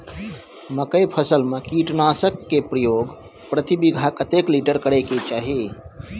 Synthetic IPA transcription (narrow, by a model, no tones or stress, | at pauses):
məkəjpʰəsəlmẽkiʈnaːsəkːepɾəjoːɡ | pɾət̪ibiɡʱakət̪ekliʈəɾkəɽeket͡ʃaːɦi